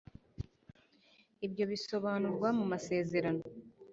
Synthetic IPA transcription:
ibjo̞βiso̞βaːnuɾɡwamumase̞ːze̞ɾano

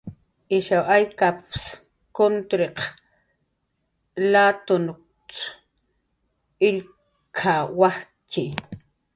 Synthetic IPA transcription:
ɪʃawʔajkaps | kont̪ɾeq | lat̪onʊ | t͡s | ɪʎ | kʰawaχt͡ʃɪ

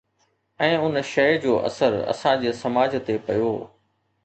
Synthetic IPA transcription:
ɛ̃ːʊnʃɐɪd͡ʑoːʔɐ̰səɾɐ̰sãd͡ʑeːsɐmaːd͡ʑʱt̪epɐjoː

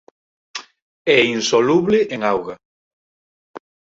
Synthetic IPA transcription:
ɛinsoluβlɪʔeŋawɣa

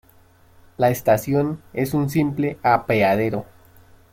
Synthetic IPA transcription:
laest̪asjo̞ne̞suns̬imple̞apeað̞e̞ɾo̞

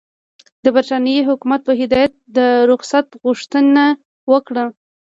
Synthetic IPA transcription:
d̪əbaɾt̪ɑnijiɦʊkumat̪̚pəɦɪd̪ɑjat̪̚d̪əɾʊxsat̪ɣuʂt̪əna | wəkɽə

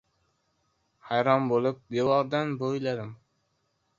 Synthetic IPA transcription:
hajɾɒmbolˠɪp̚bewɒɾd̪anbolad̪ɪm

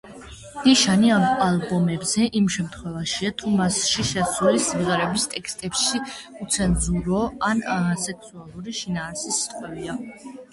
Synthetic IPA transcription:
n̥iʃaniamalˠbɔmɛbzɛʔimʃɛmt̪ʰχwɛvaʃiat̪ʰumasʃiʃɛsulisimʁɛɾɛbist̪ʼɛkst̪ʼɛpʃiut̪sʰɛnzuɾɔanasɛkʰsualˠuɾiʃinaːɾsisi̥t̪ʼqʼwɛbia

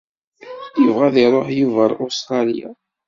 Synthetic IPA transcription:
jəvʁæðiɾˤoħjuvæɾost̪ɾɑlḭja̰

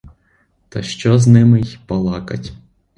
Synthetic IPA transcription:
t̪ɐʃt͡ʃɔznɪmɪjpɐlˠɑkɐ̰tʲ

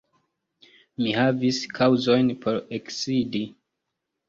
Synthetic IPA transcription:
mihaviskʰawuzo̞jnpʰo̞ɾeksidi

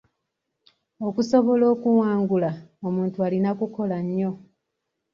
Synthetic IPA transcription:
o̞kuso̞βo̞lo̞ːkuwaːŋɡulaomuːntualinakuko̞laɲːo̞

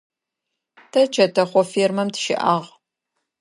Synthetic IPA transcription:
tʰɐt͡ʃʰɐtʰɐχʷɔfiːrmɐmtʃɪ̰ʔa̰ːʁ

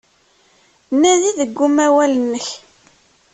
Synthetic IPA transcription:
nːæðiðəɡːʊmæwælənːəç

